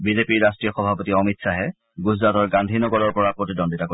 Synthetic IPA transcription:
bizepiɹɹastɹijɔxɔbʱapotiɔmitsaɦɛ | ɡuzɹatɔɹɡandʱinɔɡɔɹɔɹpɔɹapɹotidɔnditako

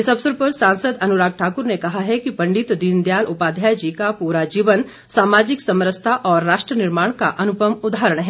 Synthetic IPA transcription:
ɪsɐbsəɾpɐɾsãːnsəd̪ɐnuɾaːɡ̚ʈʰaːkʊɾnekɐɦaɦɛkipɐ̃ɳɖɪt̪d̪ind̪jaːlʔʊpaːd̪ʱjaːjd͡ʒikapuːɾad͡ʒiːʋən | saːmaːd͡ʒɪksɐmɾəst̪ʰaʔɔːɾːaːʃʈɾənɪɾmaːɽ̃kaʔɐnʊpəmʊd̪ʱaɦɾəɽ̃ɦɛː

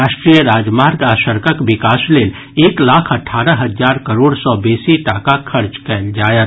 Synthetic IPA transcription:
aʃʈɾijəɾaːd͡ʒmaɾɡasəɾkəkbikaːslel | eːklakʰəʈʰaːɾəɦəd͡ʒaːɾkəɾoːɽsɔbesiʈakakʰəɾt͡ʃkɛld͡ʒajət̪

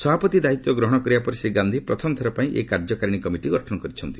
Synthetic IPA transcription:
sɔbʱapɔt̪id̪ait̪jɔɡɾɔɦɔɽ̃ɔkɔɾibapɔɾiseɡand̪ʱipɾɔt̪ʰɔmɔt̪ʰɔɾɔpaĩʔḛkaɾd͡ʒɔkaɾiɽ̃ikɔmiʈiɡɔʈʰɔnɔkɔɾit͡ʃʰɔnt̪i

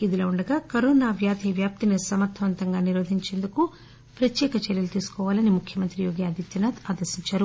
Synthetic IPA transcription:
id̪iloːuɳɖɐɡaːkɐɾoːnaːʋjaːd̪ʱiʋjaːp̚t̪inisɐmɐɾt̪ʰɐʋɐnt̪ɐŋɡaːniɾoːd̪ʱiɲt͡ʃe̞ːnd̪uku | pɾɐt̪jɛːkɐt͡ʃɐɾjɐlut̪iːsu̥kɔːʋaːlɐnimukʰjɐmɐnt̪ɾijoːɡijaːd̪it̪jɐnat̪aːd̪ɐɾsiɲt͡ʃaːɾu

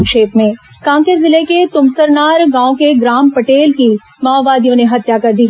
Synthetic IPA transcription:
ʃeːpmẽ | kãːŋkəɾzɪleket̪ʊmsəɾnaːɾɡãːõkeɡɾaːmpɐʈeːlki | maːbaːd̪ijõneɦɐt̪jakɐɾd̪iːɦ

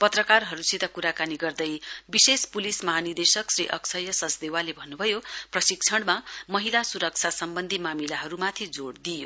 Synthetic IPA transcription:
pʌt̪rʌkarɦʌɾusit̪akuɾakaniɡʌrd̪ʌjbisespulismʌɦanird̪esʌksrḭʔʌksʰʌjʌsʌt͡sd̪ewalebʱʌnːubʱʌjoprʌsik̚t͡sʰʌɽmamʌɦilasuɾʌk̚t͡sʰasʌmbʌnd̪ʱimamilaɦʌɾumat̪ʰid͡zoɽd̪ijo

